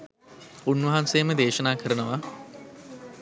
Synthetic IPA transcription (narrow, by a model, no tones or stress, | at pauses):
unʋɐɦansejːməd̪eːʃənaːkʰəɾənəʋa